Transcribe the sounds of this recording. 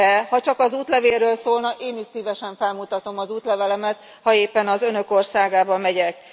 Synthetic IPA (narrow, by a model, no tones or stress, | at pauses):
ɛhɒt͡ʃɒkɒzuːt̪lɛveːrːøːlsoːlnɒkeːniʃsiːvɛʃɛɱfɛlmut̪ɒt̪o̞mɒzuːt̪lɛvɛlɛmɛt̪ | hɒeːpːɛnɒzønø̞ko̞rsaːɡaːbɒmːɛɟɛk̚